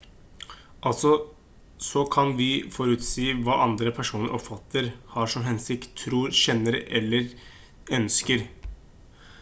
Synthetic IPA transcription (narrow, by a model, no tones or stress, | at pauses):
ʔɑlt̪sɔ | sɔkʰɑnʋɪfɔɾʉt̪siːʋɑːʔɑnd̪ɾəpʰæʂuːnəɾʔɔpfɑt̪ʰːəɾhɑːʂɔmɦɛnsɪkt̪ʰːɾuːɾɕɛnːəɾɛ̰lːəɾ | œnskəɾ